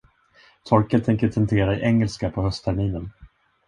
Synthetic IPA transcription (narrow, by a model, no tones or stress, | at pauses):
t̪ʰɔɾkət̪ʰːɛŋkəʈʰɛnt̪ʰeːɾaɪʔɛŋːɛlskapʰɔhœst̪ʰæɾmiːnən